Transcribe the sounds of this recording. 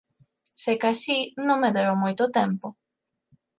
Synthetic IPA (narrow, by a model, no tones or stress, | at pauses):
sekasinõŋmeðeɾomojt̪ʊt̪ɛmpʊ